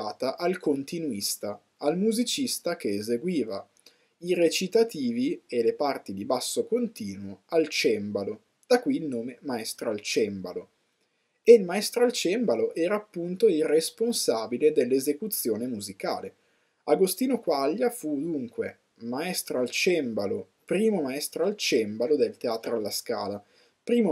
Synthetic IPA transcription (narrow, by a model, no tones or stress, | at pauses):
aːt̪aʔalkont̪inuist̪aː | lmuzit͡ʃist̪akeːzeɡwiːva | iret͡ʃit̪at̪iːvielepart̪id̪ibasːokont̪iːnwoalt͡ʃɛmbalo | d̪̥akwiːlnoːmemaɛst̪ɾoalt͡ʃɛmbalo | eilmaɛst̪ɾoalt͡ʃɛmbaloʔɛːɾaːpːunt̪oiresponsaːbiled̪elːezekut̪sːjoːnemuzika̰ːle | aɡost̪iːnokwaʎːafud̪uŋkwḛ | maɛst̪ɾoalt͡ʃɛmbalo | pɾiːmomaɛst̪ɾoalt͡ʃɛmbalod̪elt̪eaːt̪ɾoalːaska̰ːla | pɾiːmo